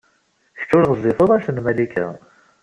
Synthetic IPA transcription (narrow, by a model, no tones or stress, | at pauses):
ç̥t͡ʃːʊɾʁəzˤiθəðˤæʃθənmælikʰæ̰